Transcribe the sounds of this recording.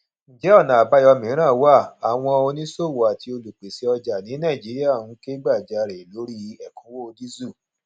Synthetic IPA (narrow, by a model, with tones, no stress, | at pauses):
n̩˨d͡ʒɛ˨˦ɔ˦˨nã˨a˨ba˦jɔ˧mĩ˨˦ɾ̃ã˦˨˦wa˦˨a˨w̃ɔ̃˧o˧nĩ˦so˦˨wo˨a˨ti˧o˧lu˨k͡pe˨si˨˧ɔ˧d͡ʒa˨nĩ˨˦nã˦˨d͡ʒi˨˦ɾi˦a˦˨wũ˨˦ke˦ɡ͡ba˦˨d͡ʒa˨˧ɾe˨lo˨˦ɾi˦ɛ˨kũ˨˦wo˦o˧di˦zu˦˨